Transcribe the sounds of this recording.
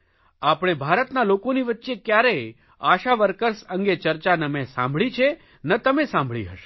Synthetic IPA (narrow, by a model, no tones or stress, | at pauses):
apɽ̃ebʱaɾət̪nalokoniʋət̪ːʃekjaɾəj | aʃaʋəɾkəɾsə̃ŋɡet͡ʃəɾt͡ʃanəmẽsã̰mbʱɭit͡ʃʰe | nət̪əmesãmbʱɭḭɦə̰ʃe̥